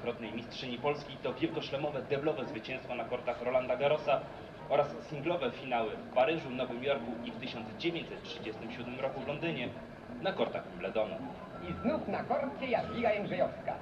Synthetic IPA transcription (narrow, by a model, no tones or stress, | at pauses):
kɾɔt̪nɛjmʲistʂɘɲipɔlskʲijt̪ɔvʲjɛlkɔɕlɛmɔvɛd̪ɛblɔvɛzvɘt͡ɕɛ̃w̃st̪fɔnakɔɾt̪axɾɔland̪aɡaɾɔsa | ɔɾasːʲiŋɡlɔvɛfʲinawɘfpaɾɘʐunɔvɘmʲjɔɾkuift̪ɘɕɔnd̪zd͡ʑevʲjẽɲt͡ɕ̪ʲsɛt̪̚tʂɘd͡ʑɛst̪ɘmɕud̪mɘmɾɔkuvlɔnd̪ɘɲɛ | nakɔɾt̪axmlɛd̪ɔnṵ | iznufnakɔɾt̪kʲɛjaklʲiɡajɛŋɡʐɛjɔfska̰